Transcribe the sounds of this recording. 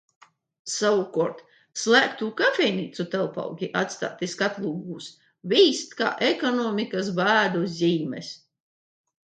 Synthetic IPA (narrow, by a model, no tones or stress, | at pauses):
saukɔɾt̪ | slˠæːkt̪uːkafʲɛjniːt̪sut̪ɛlˠpa̰wɡʲiʔat̪st̪a̰ːt̪iskat̪lˠuːɡuːs | vʲiːst̪ka̰ːʔɛkɔnɔːmikasbæːd̪uzʲiːmɛ̰s